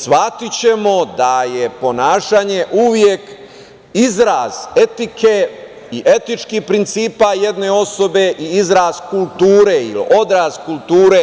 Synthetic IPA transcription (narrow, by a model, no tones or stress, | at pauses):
sʋat̪it͡ɕe̞mo̞d̪aje̞po̞naːʃaːɲe̞ʔuʋjek | izɾaːze̞t̪ikʰe | iʔe̞t̪it͡ʃkihpɾint̪siːpaje̞d̪ne̞o̞so̞be̞ʔiizɾazkult̪uːɾeḭliʔo̞d̪ɾaːzkulˠt̪uːɾe